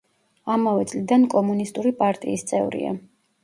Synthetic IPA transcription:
amavɛt̪sʼlid̪ankʼɔmunist̪ʼuɾipʼaɾt̪ʼḭːst̪sʼɛvɾḭa̰

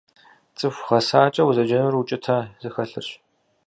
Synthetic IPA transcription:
t͡sʼɨfʷχɐsaːt͡ʃʼɐwuzɐd͡ʒɐnʊrwut͡ʃʼɪtʰaːz̥ɨxɐɬɨ̰rɕ

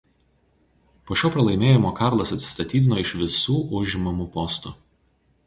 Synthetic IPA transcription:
poːʃʲoːpɾɐlˠɐɪmʲeːjɪmoːkɑˑɾlˠɐsɐt̪ʲsʲɪ̥st̪ɐt̪ʲiːd̪ʲɪnoːɪʃʋʲɪsuːʔʊʒʲɪmɐmʊpɔst̪ʊ

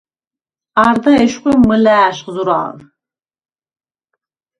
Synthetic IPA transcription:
aɾd̪aɛʃqʷimːɨlæːʃχzuɾa̰ːn

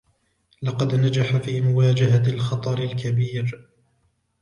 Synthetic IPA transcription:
lɑqɑd̪nad͡ʒaħafiːmʊwaːd͡ʒaɦalxɑt̪ˤɑɾɪlkabiːɾ

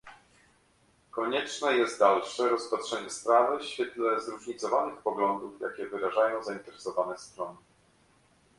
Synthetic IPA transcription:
kɔɲɛt͡ʂnɛjɛst̪̚d̪alʂɛɾɔspatʂɛɲɛspɾavɘɕfʲjɛt̪lɛzɾuʐɲit̪sɔvanɘxpɔɡlɔnd̪ufja̰kʲɛvɘɾaʐajɔ̃w̃zaint̪ɛɾɛsɔvanɛst̪ɾɔnɘ

